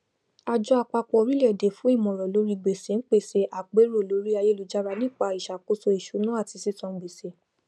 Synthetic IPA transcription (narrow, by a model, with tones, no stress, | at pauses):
a˧d͡ʒɔ˧a˧k͡pa˧k͡pɔ˧ɾi˦lɛ˦˨de˨fũ˦i˦˨mɔ̃˨ɾɔ˨lo˨˦ɾi˧ɡ͡be˨se˨˦n̩˦k͡pe˦˨se˧ʔa˨k͡pe˨˦ɾo˦˨lo˨˦ɾi˦a˧je˦lu˨˧d͡ʒa˦ɾa˧nĩ˦k͡pa˧i˨ʃa˨ko˦so˧i˨ʃu˨˦nũ˦a˦˨ti˧si˦tɔ̃˧˨ɡ͡be˨se˨˦